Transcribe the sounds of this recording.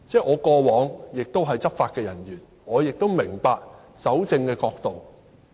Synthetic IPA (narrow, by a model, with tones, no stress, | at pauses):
t͡sɛː˥˩ʔɔː˨˧kɔː˧wɔː˨˥ŋjɪ˨k̚t̪o˥wɦɐ˨jt͡sɐ˥p̚faː˧t̚kɛː˧jɐ˨˩njyː˨˩n | ŋɔː˨˧jɪ˨k̚t̪wmɪ˨˩ŋpaː˧k̚ | sɐ˨˥wt͡sɪ˧ŋkɛː˧kɔː˧k̚t̪o˨w